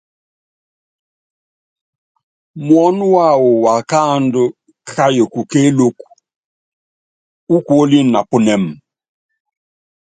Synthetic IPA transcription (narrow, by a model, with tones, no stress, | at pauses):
mwɔ˦n˦wa˦˨wu˨wa˨ka˦ndʊ˦ | kʰa˦jo˨ku˨ke˦lo˦ku˨ | u˦kwo˦li˦na˨pu˦nɛ˨m˨